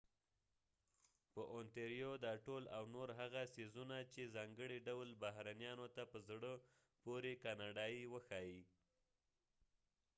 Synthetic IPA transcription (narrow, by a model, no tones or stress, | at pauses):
pəʔont̪eɾjod̪ɑʈolawnoɾɦaɣasizunat͡ʃezɑŋɡəɽiɖawlbaɦɾanjɑnot̪apəzɽə | poɾekɑnɑɖɑiwəxɑi